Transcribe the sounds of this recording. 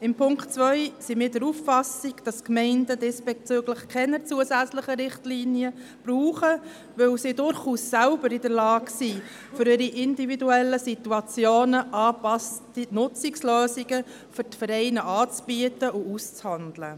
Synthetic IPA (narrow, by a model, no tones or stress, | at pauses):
ɪmpʰʊŋktt͡sʋœʏsimiːɾdəɾuffɑsiɡ̥d̥ɑskmɛɪndədesb̥ɛt͡søɡləχkʰɛnət͡suəsæt͡sləχəɾɪχtliːnjə | b̥ruːχə | ʋɵwsidʊɾχuːsːælbəɾidəɾlɑːksi | fʏɾiɾiʔɪndividuɛlːəsit̪uɑt͡sjoːnəʔɑːpɑstinʊt͡siksløːsiɡə | fʏɾtfəɾɛɪnəʔɑːt͡sb̥iətəʊust͡shɑndlə